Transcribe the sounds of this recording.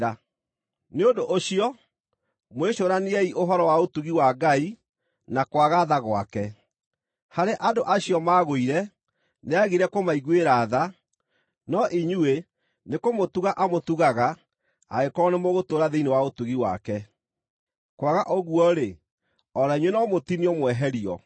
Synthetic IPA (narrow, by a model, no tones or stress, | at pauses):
a | neondoʔoɕijɔ | mweɕoɾaniɛiʔoɦɔɾɔwaotuɣiwaɡai | nakwaɣaðaɣwa̰kɛ | haɾeʔadoʔaɕiɔmaːɣoiɾɛ | neaɣiɾɛkomaiɣweɾaːða | nɔʔiɲue | nekomotuɣaʔamotuɣaɣa̰ː | ekɔnemoɣotoɾaðeinewaotuɣiwa̰kɛ | kwaɣaʔɔɣuɔɾe | ɔɾaiɲwenɔmotiniɔmwɛɦɛɾiɔ̰